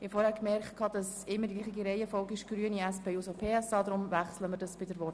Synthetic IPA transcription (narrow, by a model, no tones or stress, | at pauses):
hɪfoːɾhæːkmɛrkχt̚kʰɑːd̥ɑs | ɪmːəɾdiɡliːχiɡiɾɛɪəfɔlˠɡɪʃɡ̥ryəniɛspeːusopʰeːɛsɑːdɾʊmvæχsləməɾdɑsb̥ɪdəɾvɔ